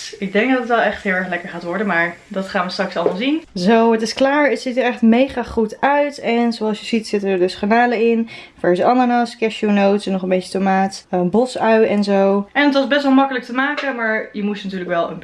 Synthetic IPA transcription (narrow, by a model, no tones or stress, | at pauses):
ɪɡ̚dɛŋɡ̚dɑtətʋɛlˠɛχtɦɪːlˠɛɹχlɛkəɹχaːtʋɔɹdənmaːɹdɑtχaːnʋəstrɑksɑlˠmalˠzinzowətɪsklaːɹətsitiːɹɛχtmejχaːχutœɥtɛnzowɑlˠsjəzitsɪtənəɹdəsχanaːləɪnfɛɹzəɑnəɹnɑskɛʃunowtsɛnɔχənbejcətomaːtəbɔsœɥɛnzowʔɛnətʋɑzbɛstʋɛlˠmɑkələk̚təmaːkəmaːɹjəmusnatyːɹləkʋɛlˠə̰n